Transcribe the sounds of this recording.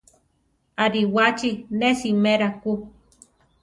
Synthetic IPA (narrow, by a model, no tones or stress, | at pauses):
aɾiwat͡ʃinesimeɾaku